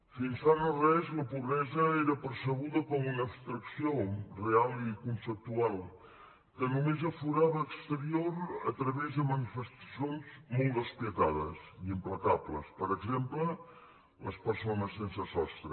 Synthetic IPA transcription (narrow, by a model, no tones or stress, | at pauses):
finsanərɛzləpuβɾɛzəeɾəpəɾsəɣuðəkɔmunəːpst̪ɾəksiorealˠikunsəp̚t̪ualˠ | kənumezəfuɾaβəːkst̪əɾioɾə̰t̪ɾəβɛzðəmənifəst̪ə̥sjonzmolˠtd̪əspiət̪aðə̰ziimpləkaβləspəɾəɡzemplə | ləspəɾsonəsːensəsɔst̪ɾə